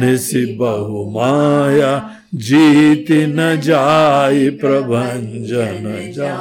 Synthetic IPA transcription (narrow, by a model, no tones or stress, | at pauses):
nisibɐɦumaːja | d͡ʒiːt̪inɐd͡ʒaːipɾɐbʱɐɲd͡ʒɐnɐd͡ʒaː